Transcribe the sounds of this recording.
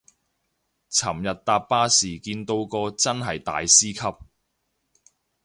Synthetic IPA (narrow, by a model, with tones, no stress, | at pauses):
t͡sʰɐ˨˩mjɐ˨t̚t̪aː˧ppaː˥siː˨˩kiː˧nt̪o˧wkɔː˧t͡sɐ˥nɦɐ˨jt̪a̰ː˨jsiː˥kʰɐ˥p̚